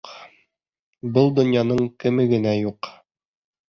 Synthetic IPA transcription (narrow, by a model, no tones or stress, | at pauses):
bɤlˠd̪ŏnjɑnɤɴkɘ̆mɘɡɘ̆næjuq